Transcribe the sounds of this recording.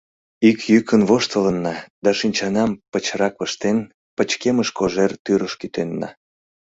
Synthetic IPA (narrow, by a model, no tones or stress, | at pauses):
ikjykʰənβoʃt̪ələnːɑd̪ɑʃinʲt͡ɕɑnɑmpət͡ɕɾɑkəʃt̪en | pət͡ɕkeməʃkoʒert̪yɾəʃkyt̪enːɑ̰